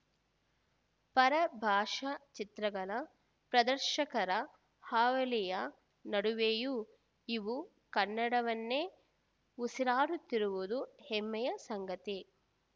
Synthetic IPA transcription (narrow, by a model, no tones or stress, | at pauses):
pɐɾɐbʱaːʂɐt͡ʃit̪ɾɐɡɐlɐ | pɾɐd̪ɐɾʃɐkɐɾɐ | haːʋɐlijɐ | nɐɽuʋeːju | iʋu | kɐnːɐɽɐʋɐnːeː | usiɾaːɾut̪ːiɾuʋud̪uhemːɛjɐsɐŋɡɐt̪i